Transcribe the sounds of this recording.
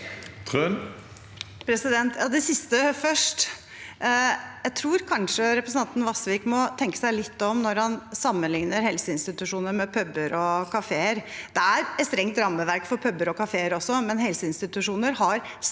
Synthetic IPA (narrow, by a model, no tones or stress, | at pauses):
t̪ʰøn | pʰɾɛsɪd̪ɛnt̪jɑːd̪ɛsɪst̪əfœʂʈ | jæɪt̪ʰɾuːɾkʰɑnʂəɾɛpɾəsn̩ɑnt̪n̩ʋɑsʋiːkmɔt̪ʰɛŋkə̥sæɪlɪt̪ːɔmnɔɾhɑnsɑmːənlɪŋnəɾhɛlsəɪnst̪ɪt̪ʉʂuːnəɾmɛpʰœbːəɾɔkʰɑfeːəɾd̪̥ɛæɾɛt̪st̪ɾɛŋt̪ɾɑmːəʋæɾkfɔɾpʰœbːəɾɔkɑfeːəɾɔsːɔmɛnhɛlsəɪnst̪ɪt̪ʉʂuːnəɾɦɑɾ | s